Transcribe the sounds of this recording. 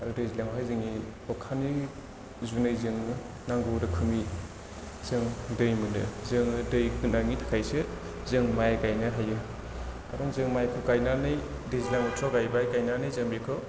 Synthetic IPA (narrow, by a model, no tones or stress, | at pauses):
aɾudezilaŋhazɯŋi | ɔkʰani | zunɯjzɯŋɯ | naŋɡodɯkʰɯmi | z̥ɯŋdɯjmɯnɯ̰zɯŋɯdɯjkɯnaŋitʰḁkʰajsɯ | zɯŋmajɡajnɯɦajɯ | ɡaɾɔŋzɯŋmajkʰɯɡajnanɯj | dezilaŋɯt͡ʃʰɔɡajbajɡajnanɯjzɯŋbekʰɯ